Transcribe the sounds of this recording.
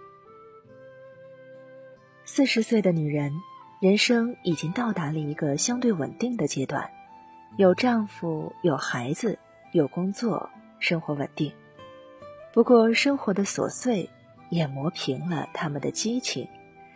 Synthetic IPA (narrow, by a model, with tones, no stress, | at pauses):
sɹ̩˥˩ʂɻ̩˧˥swe˥˩ɪd̪ə˩ny˨˩ɻə˧˥nɻə˧˥nʂɤ˥ŋi˨˩t͡ɕi˥ŋt̪ɑ˥˩ʊt̪a˧˥lə˧i˧˥ɡə˧ɕjɑ˥ŋt̪we˥˩ɪwə̰˨˩nt̪i˥˩ŋd̪ə˩t͡ɕjɛ˥t̪wa̰˥˩n | jo˨˩ʊʈ͡ʂɑ˥˩ŋfu˨˩jo˨˩ʊxa˧˥ɪd͡zɹ̩˧ | jo˨˩ʊkʊ˥ŋt͡swɔ̰˥˩ | ʂɤ˥ŋxwɔ˧˥wə̰˨˩nt̪i˥˩ŋ | pu˧˥kwɔ˥˧ʂɤ˥ŋxwɔ˧˥d̪ə˧swɔ̰˨˩swe˥˩ɪ | jɛ˨˩mwɔ˧˥pʰi˧˥ŋlə̰˧t̪ʰa˥mə˨nd̪ə̰˩t͡ɕi˥t͡ɕʰḭ˨˩˦